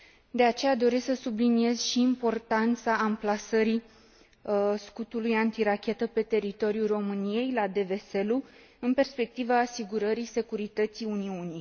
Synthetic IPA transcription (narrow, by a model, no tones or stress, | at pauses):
d̪e̞at͡ʃe̞jad̪o̞ɾe̞sksəsublinie̞zʃiːmpo̞rt̪ant̪saːmplasəɾi | skut̪ulujant̪iɾakʲe̞t̪əpe̞t̪e̞ɾit̪o̞ɾjuro̞mɨnije̞jlad̪e̞ve̞se̞lu | ɨnpe̞rspe̞k̚t̪ivaːsiɡuɾəɾise̞kuɾit̪ət̪siuniuni